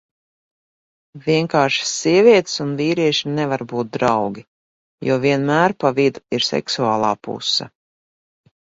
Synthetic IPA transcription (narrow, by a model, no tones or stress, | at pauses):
viɛŋkaːɾʃḁsːiɛviɛt̪sunviːɾiɛʃinɛvaɾbuːt̪̚d̪ɾawɡʲi | jṵɔviɛnmæːɾpavid̪uiɾsɛ̰ksuaːlˠaːpṵsːa̰